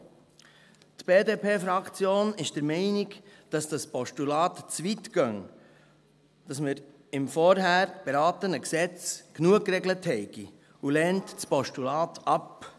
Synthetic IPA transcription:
tb̥eːdeːpʰeːfɾɑkt͡sjoːnɪʃd̥əɾmɛɪnɪkd̥ɑsd̥ɑspɔʃtulɑːtt͡svitɡ̥œŋ | d̥ɑsmɪɾ | ɪmfɔɾɦæːɾb̥eɾɑːtənəksɛt͡sknuək̚kːɾɛɡləthɛɪɡ̥i | ulɛːntspɔʃtulɑːtʰɑp

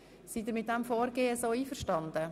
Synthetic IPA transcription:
sid̪ɪɾmɪt̚dɛmfoːɾɡeːəsoːiːfəɾʃtɑnd̪ə

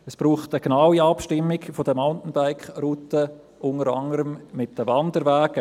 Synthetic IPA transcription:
əsb̥ɾuːχtəɡ̥nawiɑpʃtɪmːɪɡfodəmaʊntn̩baɪkχrutə | ʔʊŋəɾɑŋəɾəmmɪt̚d̥əvɑndəɾvæːɡ̥ə

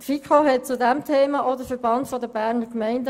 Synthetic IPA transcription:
tfikχoɦɛt̚t͡sudæmtʰeːmɑʔodəfəɾb̥ɑntfɔdəbæːʁnəkmɛɪndə

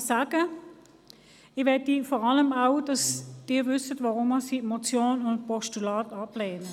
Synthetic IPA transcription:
saːɡ̥ə | ɪʋɛɐtifɔːʁɑləmaʊd̥ɑsd̥ɪːɐvʏsətvaʁʊməsiːmot͡sjoːnʊnt̚pɔʃtulaːtɑbleːnə

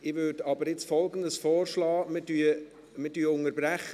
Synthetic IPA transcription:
ɪʋøːdɑbəɾjɪt͡sfɔlɡən̩dəsfɔːrʃlɑːmɪdyə | mədyːəʊŋəɾbɾæχ

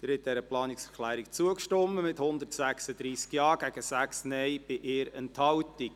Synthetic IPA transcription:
ɪɾhɛt̚d̥ɛɾəplɑːniksɛɾklæːɾikt͡suəkʃtɔmːəmɪthʊnd̪ərtsæksəd̪ɾiːskjɑːɡ̥æɡ̥əsæksnɛjb̥ɪʔɪːɾɛnthɑwtik̚

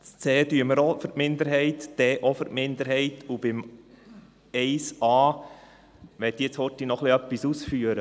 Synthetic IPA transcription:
t͡st͡seːdyəməɾofəɾtmɪnd̪əɾɦɛɪt̪d̥ɛʔɔfəɾtmɪnd̪əɾɦɛɪt̪ʰub̥ɪm | ɛɪsɑː | ʋɛd̪it͡shɔtːinɔχliœpːisusfyːəɾə

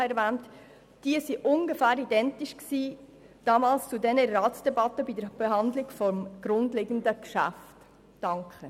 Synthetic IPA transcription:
ɛɾvæːnt | d̥iəsiʔʊŋɡəfæːɾidɛntɪʃksiː | d̥ɑmɑːlst͡sudɛnərːɑːt͡sd̥ɛbɑtəbidəɾb̥eɦɑndlɪɡ̥fɔmɡ̥ɾʊndleɡ̥ən̩dəkʃæ̰ftː | ɑŋkχə

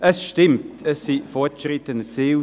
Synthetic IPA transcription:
ʔəsʃtɪmtʰəsːifɔɐtʃʁɪtənət͡siː

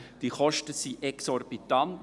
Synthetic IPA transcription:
d̥iχɔʃtəsiʔɛksɔɾb̥it̪ɑnt

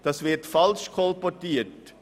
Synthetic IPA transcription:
d̥ɑsvɪɾtfɑlʃkʰɔlpɔtiːət

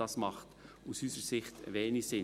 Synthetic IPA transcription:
ɑsmɑχt | usysəsɪχtʋɛːnisɪ

